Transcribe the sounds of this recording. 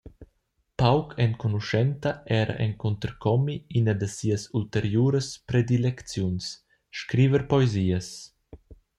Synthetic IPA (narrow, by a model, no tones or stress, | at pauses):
pawkʰɛnkonuʃɛnt̪ɐʔɛɾa̰ʔɛŋkunt̪əɾkʰɔmiinɐd̪əsiːəsult̪eɾjuːɾəspɾed̪ilɛkt͡sjuns | ʃkɾiːvəɾpɔeziːəs